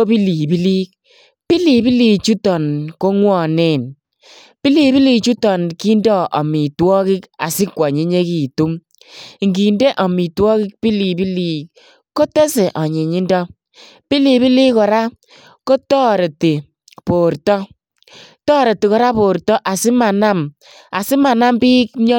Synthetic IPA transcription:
o˦pi˦liː˨bi˦li˦k̚ | pi˦liː˨pi˦li˨t͡ʃu˦tɔ˨nko˦ŋwɔ˦˨nɪ˦˨n | pi˦liː˨bi˦liː˨t͡ʃu˦tɔ˨nki˦ndɔ˦˨ʔɔ˨mi˨twɔ˦kɪ˦ka̰˨sɪ˦kwɔ˨ɲi˦ɲe˦kiː˨tu˦m | ŋɡi˨nde˦ʔɔ˨mi˨twɔ˦kɪ˦k̚pi˦li˨pi˦liː˨k | ko˦te˦se˨ʔɔ˨ɲi˨ɲi˦ndɔ˦ | pi˦li˨bi˦li˦kɔ˨ɾa˦ | ko˦tɔ˦ɾe˨ti˨ | po˨ɾtɔ˦ | tɔː˦ɾe˨ti˨kɔ˨ɾa˦po˨ɾtɔ˦ʔa˨sɪ˦ma˨na˦m | a˨sɪ˦ma˨na˦mbiː˦k̚ɲɔ˦

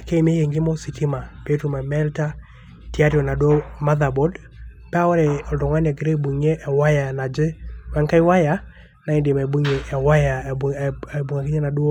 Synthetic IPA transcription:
ke˦˨m˦e˦je˨ŋɡɪ˦mɔ˦si˨ti˦ma˨pe˦tu˨ma˨mɛ˦lta˦ | ti˦a˦ɾjɔ˨na˨dwo˦ma˦ða˨bɔ˦d | pwɔ˦ɾɛ˨ɔ˨ldɔ˨ŋa˦na˨ɡi˨ɾe˦bu˨ɲe˦ʔːwa˦ja˨na˨d͡ʒɪ˦wɛ˨˦ŋka˦ɪ˦wa˦ja˨ | na˨i˦nde˨ma˨bu˦ŋe˨ʔɛ˨wa˦ja˨ | e˨bu˨ŋa˨ki˦ɲe˦na˨do˦

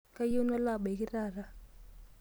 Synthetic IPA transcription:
ka˦ju˦na˦la˦˨ɓki˦raː˨ra˦

